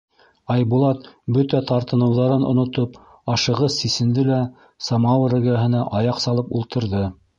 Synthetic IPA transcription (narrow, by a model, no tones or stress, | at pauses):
ɑjbulˠɑt̪̚bɵt̪æt̪ʰɑɾt̪ɤ̆nɤ̆wðɑɾɤnŏ̰nŏt̪op | ɑʃɤ̆ʁɤssisɘ̆nd̪ɘlæ | sɑmɑwɤɾæɡæɦɤ̆næʔɑjɑqsɑlˠɤpulˠt̪ɤ̆ɾðɤ